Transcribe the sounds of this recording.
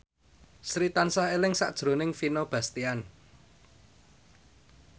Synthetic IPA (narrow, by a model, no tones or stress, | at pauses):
sɾit̪ansahelɪŋsa̰ʔd̥ʒ̥ɾo̤nɪŋfinob̥ä̤st̪ian